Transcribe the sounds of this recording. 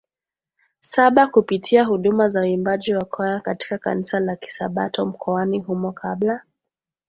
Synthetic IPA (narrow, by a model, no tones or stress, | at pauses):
saɓakupitʰiaɦuɗumazauimbaʄiwakʰɔjakati̥kaka̰nisalaki̥sa̰ɓatɔm̩kʰɔaniɦumɔkʰaɓla